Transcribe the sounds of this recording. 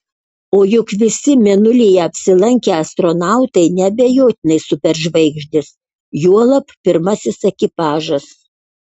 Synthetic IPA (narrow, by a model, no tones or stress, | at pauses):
oːjʊkʋʲɪsʲɪmʲɛnʊlʲijɛɐpʲsʲɪlˠɐŋʲkʲɛɐst̪ɾɔnɑˑʊt̪ɐɪnʲɛbʲɛjoːt̪ʲɪnɐɪsʊpʲɛɾʒʋɐɪɡʒʲd̪ʲɪs | juɔlˠɐppʲɪɾmɐsʲɪsɛkʲɪpɑːʒɐs